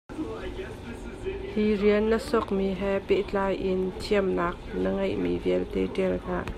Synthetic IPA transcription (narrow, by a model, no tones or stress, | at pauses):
hiriənːəsɔk̚miɦɛpeʔt͡ɬaːjʔɪnt̪ʰiəmnaːk̚nəŋɐjʔmḭviəlt̪ɛtɛlnaːʔ